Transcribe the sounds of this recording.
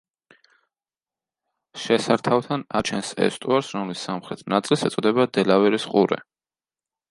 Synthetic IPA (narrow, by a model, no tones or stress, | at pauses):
ʃɛsaɾt̪ʰawt̪ʰanat͡ʃʰɛnsɛ̰st̪ʼuaɾsɾɔmlisːamχɾɛt̪ʰnat̪sʼilˠsɛt̪sʼɔd̪ɛbad̪ɛlavɛɾisqʼuɾɛ̰